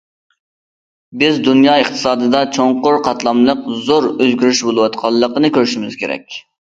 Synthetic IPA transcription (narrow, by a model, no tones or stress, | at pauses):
bɪzd̪unjɑːəχt̪ʰɨ̥sɑːd̪ɨd̪ɑt͡ʃʰoŋqʊɾqʰɑt̪lˠɑmlˠəqzoɾøzɡʲyɾyʃbolˠɨwɑt̪qʰɑlˠːəqənɨkʲøɾyʃimɪz̥kʲʰeɾɛ̰kʲ